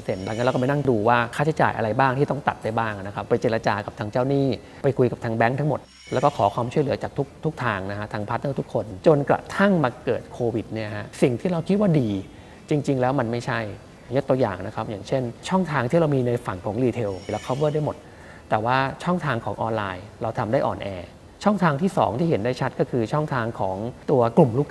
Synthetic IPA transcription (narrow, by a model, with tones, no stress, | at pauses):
se˨˩nla˨˧˩ŋ˧˦˥lːa˧˦na˥˩ŋduː˧waː˥˩kʰaː˥˩t͡ɕʰa˦jt͡ɕa̰ː˨˩jʔa̰˧ɾa˧jbaː˥˩ŋt̪ʰiː˥˩ɔ˥˩ŋt̪a̰˨˩t̪̚da˥˩jbaː˥˩ŋna˦˥kʰa˦˥pːa˧jt͡ɕe˨˧˩la˧t͡ɕaː˧ka˨˩p̚t̪ʰaː˧ŋt͡ɕaː˥˩wniː˥˩ | pa˧jkʰu˧jka˨˩pt̪ʰaː˧ŋbɛ˦˥ŋt̪ʰa˦˥ŋmo˨˩t̪̚ | lɛː˧˦˥wkɔː˥˩kʰɔː˩˦kʰwaː˧mt͡ɕʰu˥˩lɯ˩˦ɐt͡ɕaː˨˩k̚t̪ʰu˦˥k̚t̪ʰu˦˥k̚t̪ʰaː˧ŋna˦˥kʰa˦˥t̪ʰaː˧ŋpʰa˦˥t̪̚naː˦˥˩t̪ʰu˦˥kʰːo˧nt͡ɕo˧nkɾa̰˨˩t̪ʰa˥˩ŋmaː˧kɤː˨˩t̪̚kʰoː˧wi˨˩t̪̚ni˥˩ɐha˦˥ʔsi˨˩ŋt̪ʰiː˥˩ɾa˧wkʰi˦˥t̪̚waː˥˩diː˧ | t͡ɕi˧ŋt͡ɕi˧ŋlɛː˦˥wma˧nma˥˩jt͡ɕʰa˥˩j | jo˦˥t̪u˧ɐja̰ː˨˩ŋna˦˥kʰa˦˥p̚jaː˨˩ŋt͡ɕʰe˥˩nt͡ɕʰɔ˥˩ŋt̪ʰaː˧ŋt̪ʰiː˥˩ɾa˧wmiː˧na˧jfa˨˩ŋkʰɔː˩˦ŋliː˧t̪ʰe˧wla˧˥kʰːa˦˥˩bɯ˥˩da˥˩jmo˨˩t̪̚ː | ɛː˨˩waː˥˩t͡ɕʰɔ˥˩ŋt̪ʰaː˧ŋkʰɔː˩˦ŋʔɔː˧nlaː˧jɾa˧wt̪ʰa˧mdaː˥˩jʔɔ̰ː˨˩nʔɛː˧ | t͡ɕʰɔ˥˩ŋt̪ʰaː˧ŋt̪ʰiː˥˩sɔ̰ː˩˦ŋt̪ʰiː˥˩ɦe˩˦ndaː˥˩jt͡ɕʰa˦˥t̪̚kɔ˥˩kʰɯː˧t͡ɕʰɔ˥˩ŋt̪ʰaː˧ŋkʰɔː˩˦ŋt̪u˧ɐklu˨˩mluː˥˩k